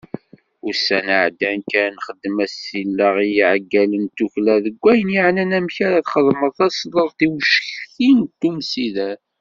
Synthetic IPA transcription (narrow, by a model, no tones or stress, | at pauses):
ʊɾsænəʕd̪ænkæɾnχəd̪ːəmæsilːəʁijiʕɡːælənt̪uçlæðəɡʷːæjənjiʕnænæmçaɾaðχəðˤməðˤæslˤəðˤθiwʃçθint̪ːumsiðæ